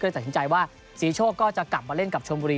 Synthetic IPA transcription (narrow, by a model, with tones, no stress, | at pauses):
jta˨˩si˩˦t͡ɕa˧jwaː˥˩ | siː˩˦t͡ɕʰoː˥˩kːɔː˥˩t͡ɕa˨˩kla˨˩p̚maː˧le˥˩nka˨˩p̚t͡ɕʰo˧mbuː˧ɾiː˧